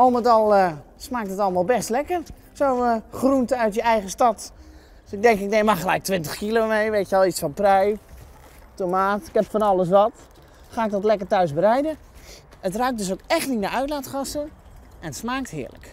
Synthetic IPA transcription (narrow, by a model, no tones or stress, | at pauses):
ɔlˠmətɑlˠə | smaːk̚tətɑləmaːlˠbɛstlɛkər | sowχruntəœɥtjəɛjχəstɑt | ɪɡ̚dɛŋkɪk̚dejmaχəlɛ̰jk̚tʋɪntəχkilomejʋetjəʋɔlˠitsfɑnprɛj | tomaːtɪ̥kɛpfɔnɑlˠəs̬ʋɑt | χaːɪk̚dɔtlɛkərtœɥsbərɛjdə | ətrœk̚dʏs̬owkɛχtninaʔœɥtlaːtχɑsə | ʔɛnətsmaːktɦɪ̰ːɹlə̰k